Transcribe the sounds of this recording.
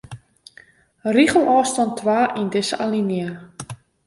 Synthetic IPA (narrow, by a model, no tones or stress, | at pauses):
riχəlˠʔɔːstɔntʰːʋaːʔindɪsə̰ʔalinjə